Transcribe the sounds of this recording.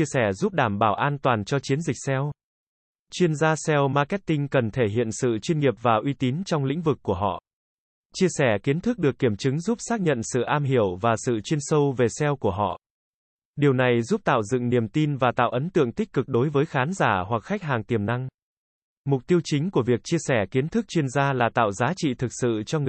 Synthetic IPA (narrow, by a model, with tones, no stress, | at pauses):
i˧əsɛ˧˩zu˦˥p̚ɗaː˧˩mɓaː˧˩wʔaː˧nt̪waː˨˩nt͡ɕɔ˧t͡ɕi˨˦ənzï˨˩k̟̚sɛ˧w | t͡ɕwi˧ənzaː˧sɛ˧wmaː˧kɛ˦˥t̚t̪ï˧ŋ̟kə˨˩nt̪ʰe˧˩ɦḭ˧˨ənsɨ̰˧˨t͡ɕwi˧nŋi˨˩əp̚vaː˨˩ʔwi˧t̪i˨˦nt͡ɕɔ˧wŋ͡mlḭ̈˧˥ŋ̟vɨ˨˩kːu˧˩əɦɔ̰˧˨ | t͡ɕi˧əsɛ˧˩ki˨˦ənt̪ʰɨ˦˥k̚ɗɨ˨˩ək̚ːi˧˩əmt͡ɕɨ˨˦ŋzu˦˥p̚saː˦˥k̚ɲə̰˧˨nsɨ̰˧˨ʔaː˧mɦi˧˩əwvaː˨˩sɨ̰˧˨t͡ɕwi˧ənsə˧wve˨˩sɛ˧wku˧˩əɦɔ̰˧˨ | ɗi˨˩əwna˨˩jzu˦˥p̚t̪a̰ː˧˨wzɨ̰˧˨ŋni˨˩əmt̪i˧nvaː˨˩t̪a̰ː˧˨wʔə˨˦nt̪ɨ̰˧˨əŋt̪i˦˥k̟̚kɨ˨˩k̚ɗo˨˦jvəː˨˦jxaː˨˦nzaː˧˩hwa˨˩k̚xa˦˥k̟̚ɦaː˨˩ŋt̪i˨˩əmna˧ŋ | mʊ˨˩k͡p̚t̪i˧əwt͡ɕï˨˦ŋ̟ku˧˩əvi˨˩ək̚t͡ɕi˧əsɛ˧˩ki˨˦ənt̪ʰɨ˦˥k̚t͡ɕwi˧ənzaː˧laː˨˩t̪a̰ː˧˨wzaː˨˦t͡ɕḭ˧˨t̪ʰɨ˨˩k̚sɨ̰˧˨t͡ɕɔ˧ŋ˨˩